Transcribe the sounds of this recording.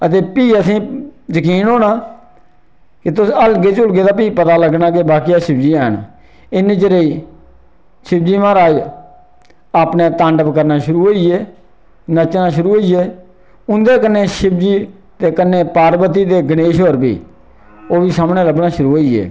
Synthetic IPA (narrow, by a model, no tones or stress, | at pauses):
ət̪eːpiːəsĩːzəkiːnɦoːɽãː | kɪt̪ʊsəlɡeːt͡ʃʊlɡeːd̪aːp̬iːpət̪aːləɡnaːkeːbaːkiːaːʃɪb̚d͡ʒiːɛːn | ɪnẽːt͡ʃəɾeiː | ʃɪb̚d͡ʒiːmãːɾaː | aːpnẽːt̪ãːɳɖəpkəɾnaːʃʊɾuːɦoːieː | nət͡ʃnaːʃʊɾuːɦoːieː | ʊnd̪eːkənːeːʃɪb̚d͡ʒiː | t̪eːkənːeːpaːɾbət̪̬iːd̪eːɡəneːʃɦoːɾbḭː | oːbʱiːsaːmɳẽːləbnaːʃʊɾuːɦoːiḛː